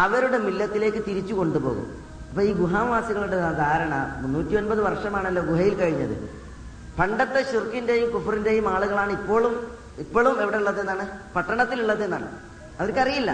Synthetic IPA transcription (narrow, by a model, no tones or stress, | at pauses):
ɐʋɐɾuɽe̞milːɐt̪ːile̞ːkːɨt̪iɾit͡ɕːuko̞ɳɖupo̞̰ːɣṵm | ɐpːoːiːɡuɦaːmʋaːsiɣɐɭuɽesad̪ʱaːɾɐɳɐ̰munːuːtːio̞npɐðɨʋɐrʂɐmaːɳɐlːo̞ːɡuɦɐjilkɐɻiɲːɐðɨ̰ | pʰɐɳɖɐt̪ːe̞ɕirkːinde̞jumkufirinde̞jumaːɭuɣɐɭaːɳɨipːo̞ːɭum | ipːoːɭumeʋiɽeuɭːɐðenːaːɳɨpɐʈːɐɳɐt̪ːiluɭːɐðenːa̰ːɳɨ̰ | ɐʋɐɾkːɐrijilːɐ̰